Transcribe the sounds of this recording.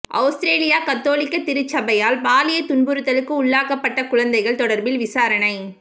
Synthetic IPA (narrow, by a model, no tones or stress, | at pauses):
ʔɐ̰ʊsʈɾeːlɪjaːkɐt̪ːoːlɪkːɐt̪ɪɾɯt͡ʃːɐbɐjaːlbaːlɪjɐt̪ʊnbɯɾɯt̪ːɐlɯkːɯʊɭːaːkɐpːɐʈːɐkʊɻɐnd̪ɐɪɣɐɭt̪ɔɽɐɾbɪlʋɪsaːɾɐnɐɪ